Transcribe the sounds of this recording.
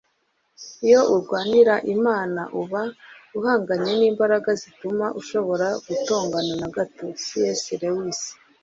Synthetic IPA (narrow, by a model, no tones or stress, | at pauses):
ijo̞ʔuɾɡwaːniɾaʔimaːnaʔuβauhaːŋɡaɲe̞niːmbaɾaɡazitumaʔuʃo̞βo̞ɾaɡ̥uto̞ːŋɡananaɡatosijesiɾewisi̥